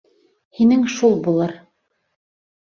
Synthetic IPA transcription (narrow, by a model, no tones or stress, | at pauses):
hinɘŋʃulˠbulˠɤɾ